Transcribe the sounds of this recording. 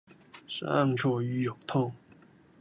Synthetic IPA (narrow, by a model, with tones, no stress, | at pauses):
ʂa̰˥a˥˧ŋʈ͡ʂʰɔ˥˩y˧˥jo˨˩ʊt̪ʰʊ˥˩ŋ